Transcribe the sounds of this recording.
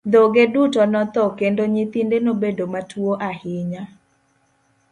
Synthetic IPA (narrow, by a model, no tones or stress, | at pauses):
d̪oɡedutɔnɔt̪ɔkendoɲit̪indenobedomatwoʔahɪɲa